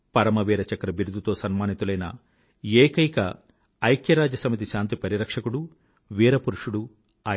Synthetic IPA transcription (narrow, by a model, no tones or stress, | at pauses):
pɐɾɐmɐʋiːɾɐt͡ʃɐkɾɐbiɾud̪ut̪o̞ːsɐnmaːnit̪ulɐjnɐ̰ | eːkɐjkɐ̰ː | jkjɐɾaːd͡ʒɐsɐmit̪̬iʃaːnt̪ipɐɾiɾɐkʂɐkuɽu | ʋiːɾɐpuɾuʂuɽu | aː